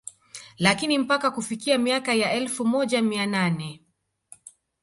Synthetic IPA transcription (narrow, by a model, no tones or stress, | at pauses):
lakinim̩pakakufikiamiakajaɛlfumɔʄamiananɛ